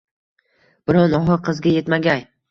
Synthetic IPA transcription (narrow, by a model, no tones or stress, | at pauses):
b̥ɪɾɒnɒɦɨqʰɨzɡʲajet̪maɡʲaj